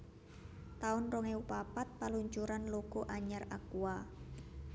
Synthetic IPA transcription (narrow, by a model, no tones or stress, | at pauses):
t̪aʊnroŋeupapat̪̚paluɲt͡ʃuɾanlokoʔaɲara̰kua